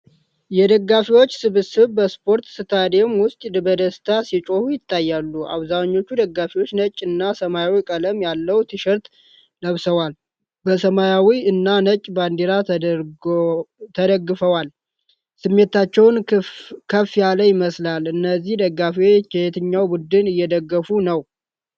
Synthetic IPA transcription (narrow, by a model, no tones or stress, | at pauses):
jɛd̪əɡːafiwo̞t͡ʃːsɨβɨsɨβbəspʰo̞ɾt̪sɨt̪ʰad̪emwʊst̪ʼd̪bəd̪əst̪ʰasit͡ʃʼo̞hujɪt̪ːajːalːuʔa̰βzaɲːo̞t͡ʃːud̪əɡːafiwo̞t͡ʃːnət͡ʃʼːɨnːasəmajawikʼələmjalːəwt̪ʰɨʃɛɾt̪ | ləβsəwal | bəsəmajawiɨnːanət͡ʃʼband̪iɾa | t̪ʰəd̪əɡːɨfəwal | sɨmːe̞t̪at͡ʃːɛwnkʰəfːjaləjɪməslalɨnːəzːihd̪əɡːafiwt͡ʃɛjet̪ʰɨɲːawbud̪ɨnɨjːɛd̪əɡːəfunəw